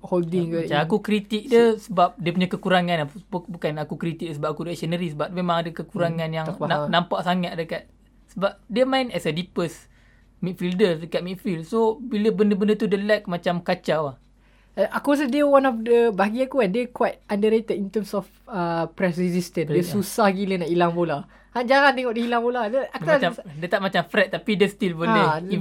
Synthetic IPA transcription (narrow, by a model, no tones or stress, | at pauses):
holdĩŋt͡ʃaakukɾit̪ik̚dəsəbap̚diəpuɲakəkuɾaŋãnabubukanakukɾit̪ik̚dəsəbap̚akudəɛk̚sənəɾisəbap̚memãŋadəkəkuɾaŋanjaŋnanãmpaʔsaŋat̪̚dəkat̪̚ | səbap̚diəmãinɛsədipəs | mit̪̚fildədəkat̪̚mit̪̚fildsobiləbəndəbəndət̪udəlɛk̚mat͡ʃamkat͡ʃawah | ʔakuas̬ədəwãnɔfdəbaaɡiãkuɛndəkwajt̪̚andəɾet̪ətint̪əmsɔf | əpɾɛsɾizist̪ə̃ndiəsusahɡilənaʔilaŋbola | hand͡ʒaɾant̪eŋɔʔdiilaŋpoladəakaadət̪aʔmat͡ʃamfɾɛt̪̚ːapidəst̪ilbəlei